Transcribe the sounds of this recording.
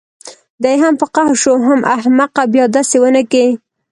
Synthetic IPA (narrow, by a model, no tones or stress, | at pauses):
d̪ajɦampəqahʃoɦamʔahmaqabjɑd̪ɑsewənəke